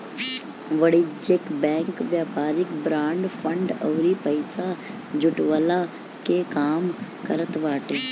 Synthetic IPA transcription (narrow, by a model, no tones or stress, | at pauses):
ʋəɽid͡ʒekbɛ̃ːŋkʋjaːpaːɾɪkbɾãːɳɖfʰə̃ɳɖɔːɾipəɪsa | d͡ʒʊʈʋəla | kekaːmkəɾət̪ʋaːʈeː